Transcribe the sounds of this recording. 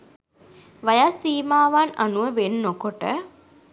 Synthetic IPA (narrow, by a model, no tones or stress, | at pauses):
ʋɐjasiːmaːʋaːnɐ̰nuʋəʋennokoʈə